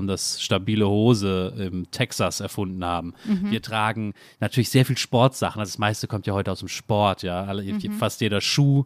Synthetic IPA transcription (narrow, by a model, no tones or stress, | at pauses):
mdasʃtabiːləhoːzəɪmtʰɛksasɛɐfʊndn̩haːbm̩viːɐtʁ̥aːɡŋ̩ | natʰyːɐlɪçz̥eːɐfiːlʃpɔɐtz̥aχn̩ʔazdasmaɪstəkʰɔmtʰjaːhɔʏtəaʊsd̥eːmʃpɔɐtʰjaːalfastjeːɾɐʃuː